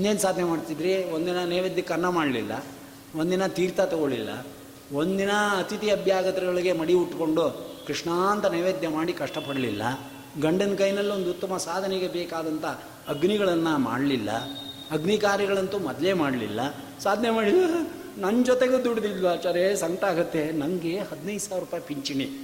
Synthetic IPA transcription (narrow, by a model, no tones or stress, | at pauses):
ind̪eːnsaːd̪ʱnemaːɖt̪id̪ɾio̞nd̪inɐneːʋed̪jɐkɐɾɐnɐmaːɽlḭlːɐ̰ | o̞nd̪inɐt̪iːɾt̪ɐt̪ɔɡoɭḭlːɐ̰ | o̞nd̪inɐːt̪it̪iɐbʱjaːɡɐt̪ɐɾɐɡɐɭiɡe̞mɐɽiuʈko̞ɳɖukɾiʂɳaːnt̪ɐneːʋeːd̪ʱjɐmaːɽikɐʂʈɐpɐɽlḭlːɐ̰ | ɡɐɳɖɐnkɐjnɐlːio̞nd̪ut̪ːɐmɐsaːd̪ʱɐneɡe̞beːkaːd̪ɐnt̪ʰɐː | ɡniɡɐɭɐnːɐma̰ːɽlilːɐ̰ | ɐɡnikaːɾjɐɣɐɭɐnt̪umɐd̪lemaːɽlḭlːɐ | saːd̪ʱɐnemaːɽilːɐ | nɐnd͡ʒɔt̪eɡud̪uɽd̪ilʋat͡ʃaːɾesɐŋɡɐʈaːɡut̪ːe̞nɐŋɡehɐd̪nɐjd̪saːʋɐɾupaːjɐpiɲt͡ʃini